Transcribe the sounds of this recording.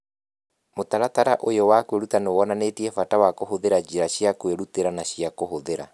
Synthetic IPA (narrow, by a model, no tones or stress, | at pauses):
motaɾataɾaʔojɔwakweɾutaneoɔnanetiɛfatawakoɦoðeɾad͡ʒiɾaɕiakweɾuteɾanaɕiakohoðeɾa̰